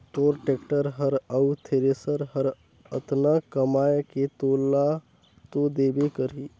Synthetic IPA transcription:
t̪oːɾʈekʈəɾɦəɾəwt̪ʰeɾesəɾɦəɾ | ət̪nakəmaːjket̪oːlːa | t̪od̪ebekəɾiː

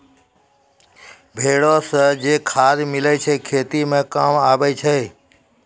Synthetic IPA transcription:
bʱeːɽosəd͡ʒeːkʰaːɾmɪlət͡ʃʰɛkʰeːt̪imẽkaːmaːbɛt͡ʃʰeː

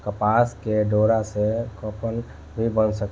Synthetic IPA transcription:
kəpaskeɖoɾasekɔpən | bʱibənsək

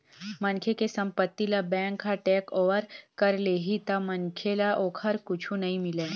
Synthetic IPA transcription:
mɐnkʰekesɐ̃mpət̪ːilabɛ̃ːŋkːaʈɛːkoːʋəɾkɐɾleːɦit̪amɐnkʰelaʔoːkʰəɾkʊt͡ʃʰũnɐɦĩmɪleː

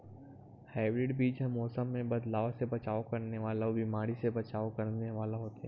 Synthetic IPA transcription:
heːʋɾɪʈbiːd͡ʒɦɐ̃mːɔːsəmːẽbɐd̪laːasebɐt͡ʃaːokɐɾneʋaːlaobimaːɾisebɐt͡ʃaːokɐɾneʋaːlaɦoːt̪ɦɛ

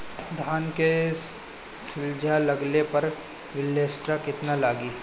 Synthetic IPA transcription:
d̪ʱaːnke | sɪld͡ʒʱalɐɡlepɐɾ | ʋɪlːeːsʈɾakɪt̪nalaːɡiː

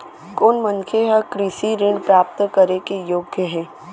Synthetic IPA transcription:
koːnmənkʰeɦəkɾɪsiɾɪɳɖpɾaːp̚t̪kəɾekejoːɡʱjəɦɛː

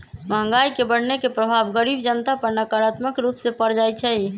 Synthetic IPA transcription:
məɦə̃ŋɡajkebəɽ̤nekepɾəbʱabɡəɾibd͡ʒənt̪apəɾnəkəɾat̪məkɾupsẽpəɾd͡ʒajt͡ʃʰɛj

